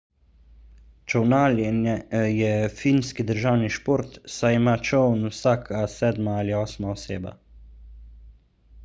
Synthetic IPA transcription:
t͡ʃɔwnaːljɛnɛjɛfinskid̪əɾʒawniʃpoɾt̪sajimaːt͡ʃɔwnwsaːkʰasɛːd̪maaliɔːsmaɔseːba̰

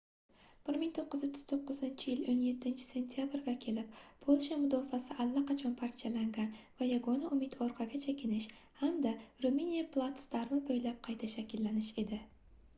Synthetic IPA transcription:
b̥ɪɾmɪŋt̪ʰoqːɨzot͡ʃ̪ʰːɪ̥z̥t̪ʰoqːɨzɪnt͡ʃʰɪjɪlonje̞t̪ʰːɪnt͡ʃʰɪ̥se̞nt̪ʰjabɾɡʲakʲʰe̞lɪp̚pʰolˠʃamʊd̪ɒfasɪʔalːaqɑt͡ʃʰɒnpʰaɾt̪ʰjalaŋɡʲanvajaɡonaʔʊmɪt̪ɒɾqʰɑɡʲat͡ʃʰakʲʰɪnɪʃ | hamd̪aɾuminijaplˠat̪st̪aɾmɪbojlap̚qʰɑjt̪ʰaʃakʲɪlːanɪʃe̞d̪ɪ

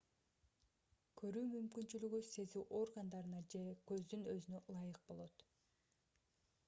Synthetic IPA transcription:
kʰø̞ɾyːmymkynt͡ʃylyɡyse̞zyːʔo̞rɡand̪ɑɾɯnɑd͡ʒe̞kø̞zd̪ynø̞zynølˠɑjɯq̚bo̞lˠo̞t̪

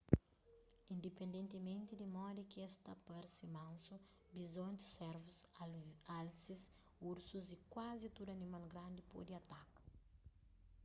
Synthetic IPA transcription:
ĩnd̪epẽnd̪ẽnt̪imẽnt̪id̪imɔd̪ikɛst̪ɐpɐɾsimãnsu | bizõnt̪i̥sɛɾvus | alsis | uɾsuzikwazit̪ud̪uɐnimalɡɾãnd̪ipɔ̰d̪iɐt̪akɐ̥

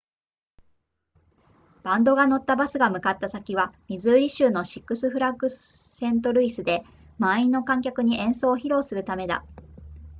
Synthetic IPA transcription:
b̥ãnd̪o̞ɡano̞t̪ːabasɨɡamɯ̟kat̪ːasakʲiβamʲizɨːɾʲiɕɨːno̞ɕi̥kːɯ̟sɨɸɯ̟ɾakɯ̟sẽ̞nt̪o̞ɾɯ̟isɨd̪e̞ | mainːo̞kãŋkʲakɯ̟ɲ̟iʔẽ̞ɰ̃so̞ːçiɾo̞ːsɨɾɯ̟t̪ame̞d̪a̰

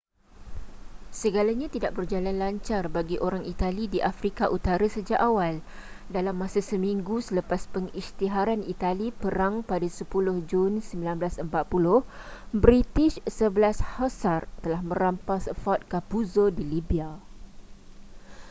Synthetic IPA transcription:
səɡalaɲãt̪idaʔ̚bərd͡ʒalanlaɲt͡ʃarbaɡiʔoɾaŋit̪alidiʔafɾikaʔut̪aɾasəd͡ʒaʔawal | dalamːãsasəmĩŋɡusələpaspəŋist̪iɦaɾanit̪alipəɾaŋpadasəpulʊhd͡ʒunsəmbilanbəlasəmpat̪̚pulʊh | bɾit̪ɪʃsəbəlashasart̪əlahmə̃ɾampasəfɔt̪̚kapuzodilibia

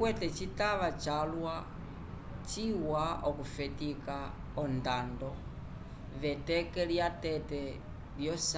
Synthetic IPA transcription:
wɛtɛt͡ʃitaβat͡ʃalwa | t͡ʃiwaɔkufɛtika | ɔndandɔ | βɛtɛkɛljatɛtɛ | ljɔs

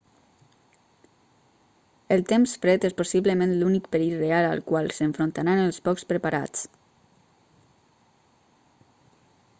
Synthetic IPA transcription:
əlˠt̪emsfɾɛt̪esposiβləmẽnlunikpeɾit̪reala̰lˠkwalˠsəɱfɾont̪aɾanəlˠspɔkspɾəpaɾa̰t͡s

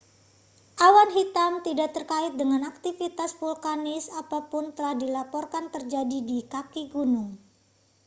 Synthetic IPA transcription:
ʔawanɦit̪amt̪idaʔt̪ərkaɪt̪̚dəŋanak̚t̪ifit̪asfulkanɪsapapʊnt̪əlahdilapɔrkant̪ərd͡ʒadidikakiɡunʊŋ

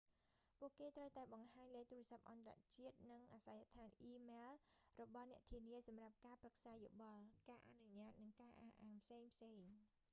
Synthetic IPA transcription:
puəʔkeːt̪rəwt̪aɛɓɑŋɦaːɲləːt̪uːrɛ̆əsap̚ʔɑnt̪ra̰ʔt͡ɕiət̪̚nɨŋʔaːsajat̪ʰaːnʔiːmeːlrɔɓɑhnɛ̆əʔt̪ʰiəniəsɑmrap̚kaːprək̚saːjoɓɑlkaːʔa̰nuɲaːt̪̚nɨŋkaːʔaːʔaːmpʰseːŋpʰseːŋ

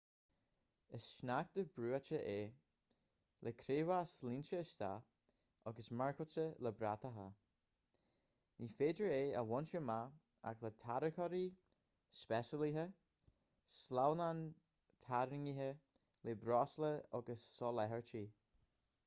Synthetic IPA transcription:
əsʃnak̚t̪əbɾuːat͡ʃəʔeː | lʔəkʰɾeːvaslint͡ʃəːst̪a̰ | ɔɡəsmaɹkʰʊsələbɾat̪əɦa | nifeːdɹəeːə̰wɔnt͡ʃəma | a̰klət̪ʰaɾəkʰɔɾi | spɛsəliɦə | slawnan | t̪ʰaɾɪŋiɦə | lebɾɔsləɔɡəsːɔlɛɦəɹt͡ʃiː

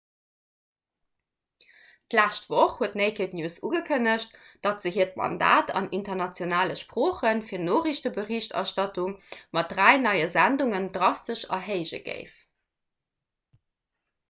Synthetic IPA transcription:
tlæʃtv̥oχhuətneɪkʰitnjuːsuːɡəkʰənəɕt̚d̥ɑtz̥əɦiːɐtmɑ̰nda̰ːtʰɑ̰nintɐnɑt͡sjonaːləʃpʁoːχənfiːɐdnoːʁiɕtəbəʁiɕtɑ̰ʃtɑtuŋmɑt̚dʁæɪnɑɪəzænduŋəndʁɑstəʃɑ̰ɦeɪʑə̰ɡ̥ə̰ɪf

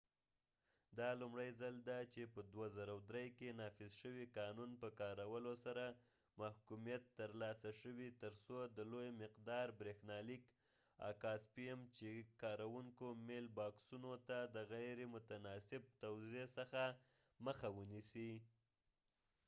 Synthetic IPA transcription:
d̪ɑlumɽajzald̪at͡ʃepəd̪wazaɾawd̪ɾejkenɑfɪzʃəwiqɑnunpəkɑɾawəlosaɾa | mahkumijat̪ːəɾlɑsaʃəwit̪əɾsod̪əlojmɪqd̪ɑɾbɾexnɑlik | a̰kɑspimt͡ʃekɑɾawuŋkomelbɑksunot̪ad̪əɣajɾemʊt̪anɑsɪb̚t̪awzesəxa | məxawənisi

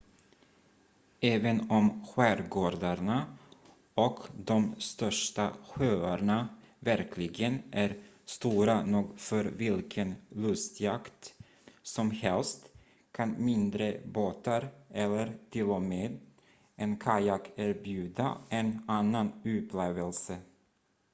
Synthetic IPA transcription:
ɛːvənɔmɧæːɾɡoːɾd̪aɳa | ɔkd̪ɔmst̪œʂʈaɧøːaɳa | væɾkʰlɪɡənʔæɾ | st̪uːɾanuɡfœɾvɪlkʰənlɵst̪jakt̪ | sɔmhɛlst̪ | kʰanmɪnd̪ɾəboːt̪aɾʔɛlːəɾt̪ʰɪlɔmeːd̪ | ʔɛnkʰajakæɾbjʉ̟ːd̪a̰ɛnanːanʉ̟ːpʰleːvəlsə

